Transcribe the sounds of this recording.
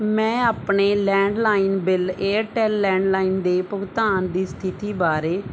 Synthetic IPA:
mɛ̃ːaːpɳeːlɛ̃ːɳɖlaːinbɪleːʈɛːlːɛ̃ːɳɖlaːiːnd̪eːpʊɡt̪aːnd̪iːst̪ʰɪt̪iːbaːɾeː

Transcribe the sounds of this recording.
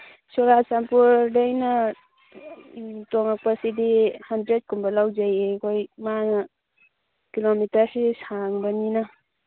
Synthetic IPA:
suɾasampuɾdajna | tɔŋak̚pasidihandɾed̚kumbalawd͡ʒajekʰojman | kilomitaɾsesaŋbanina

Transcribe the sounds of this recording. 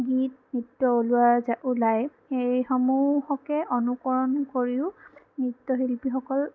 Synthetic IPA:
ɡit̚nitːɔolʊwazaʔʊlaj | ejxɔmuhɔkɛonukɔɹɔnkoɹiʊ | nitːɔɦilpixɔkɔl

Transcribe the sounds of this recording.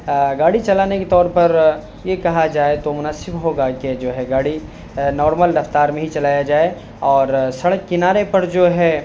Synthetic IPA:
ɡaːɽit͡ʃɐlaːneket̪ɔːɾpɐɾ | jekɐɦad͡ʒaːet̪omʊnaːsɪbɦoːɡaked͡ʒoːɦɛɡaːɽi | nɔːɾməlɾɐft̪aːɾmẽɦit͡ʃɐlaːjad͡ʒaːe | ɔːɾsɐɽəkːɪnaːɾepɐɾd͡ʒoːɦɛ

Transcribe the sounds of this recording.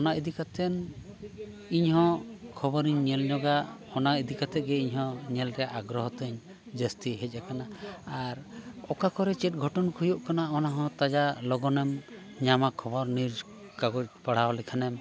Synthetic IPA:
ɔnaid̪ikat̪ʰɛn | iɲɦɔ̃kʰɔbɔɾiɲɲɛlɲɔɡaʔɔnaid̪ikat̪ʰɛɡɛiɲɦɔ̃ɲɛlɾɛʔaɡɾɔɦɔt̪ɛɲ | d͡ʒəst̪iɦɛc̚ˀakanaːɾɔkakɔɾɛt͡ʃɛʈ̚ɡʱɔʈɔnkʰujuʔkanaɔnaɦɔ̃t̪ad͡ʒalɔɡɔnɛm | ɲamakʰɔbɔɾniɾ | kaɡɔc̚paɽ̤awlɛkʰanɛm

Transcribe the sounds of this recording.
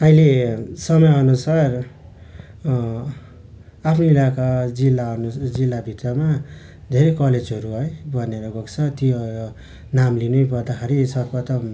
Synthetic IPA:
ʌilesʌmʌjʌnusar | apʰnʌilakad͡zilːaʌnud͡zilːabʱit̪rʌma | d̪ʱeɾʌjkʌled͡zɦʌɾuɦʌjbʱʌneɾʌɡokt͡sʰʌt̪i | namlinujpʌrd̪akʰaɾisʌrpʌt̪ʌm

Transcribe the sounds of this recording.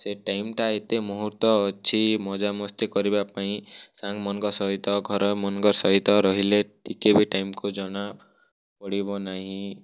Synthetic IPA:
seʈajmʈaet̪emɔɦuɾt̪ɔːt͡ʃʰimɔd͡ʒamɔst̪ɔkɔɾibapaĩsaŋɡmɔnɔŋɡɔsɔɦit̪ɔɡʱɔɾɔmɔnŋɡɔɾsɔɦit̪ɔɾɔɦileʈʰikebiʈajmkud͡ʒɔɽ̃a | pɔɽibɔnaɦĩ

